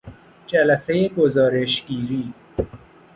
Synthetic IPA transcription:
d͡ʒælæsejeɡozɒːɾeʃɡiːɾiː

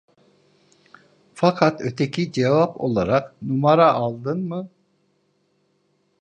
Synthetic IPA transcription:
fakʰat̪øt̪ʰecʰid͡ʒevapʰo̞̰lˠaɾaqnumaɾaʔːlˠd̪ɯnmɯ

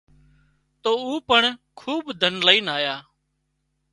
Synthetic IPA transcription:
t̪oːuːpəɳkʰuːbd̪ʱənləiːnaːjaː

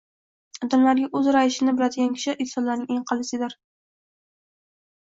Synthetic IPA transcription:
d̪amlaɾɡʲaʔɵzɾaɪʃɪnɪbɪlad̪ɪɡʲankʲʰɪ̥ʃɪʔɪlsɒnlaɾnɪŋeŋqʰɑlˠɪsɪd̪ɪɾ

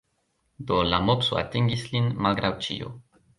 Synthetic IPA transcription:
d̪olamopsoa̰t̪iŋɡislinmalɡɾawt͡ʃḭo̰

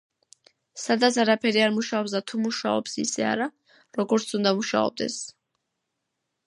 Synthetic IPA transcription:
sad̪at̪sʰaɾapʰɛɾiaɾmuʃaɔps̬d̪at̪ʰumuʃaɔ̰psḭsɛ̰a̰ɾa | ɾɔɡɔɾt̪sʰund̪amuʃa̰ɔ̰b̚d̪ɛ̰s

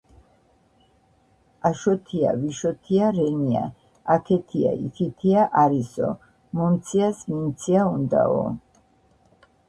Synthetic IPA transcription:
aʃɔt̪ʰia̰viʃɔt̪ʰiaɾɛnia̰ | akʰɛt̪ʰia̰ʔḭkʰit̪ʰiaʔaɾisɔ̰ | mɔnt̪sʰiasmint̪sʰiaund̪a̰ɔ̰

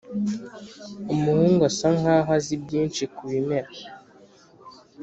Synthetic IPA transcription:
umuhuːŋɡosaŋaɦazibɟiːnt͡ʃikuβimeɾa

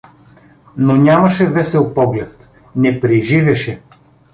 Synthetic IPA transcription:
nonʲamɐʃɛvɛsɛlˠpɔɡlɛt̪ | nɛpɾiʒivɛʃɛ

